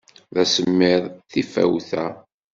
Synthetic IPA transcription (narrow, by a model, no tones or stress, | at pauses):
ðæsəmːɪðˤθifæ̰wθæ